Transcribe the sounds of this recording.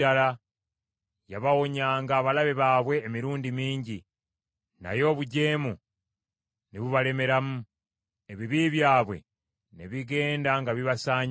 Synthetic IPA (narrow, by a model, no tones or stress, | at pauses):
ala | jaβawo̞ɲaːŋɡaːβalaβeβaːβwe̞ːmiɾuːndimiːɲɟi | na̰jo̞ːβuɟe̞ːmu | neβuβale̞me̞ɾamu | e̞βiβiβjaːβwe̞̰ | neβiɡe̞ːndaŋɡaβiβasaːɲ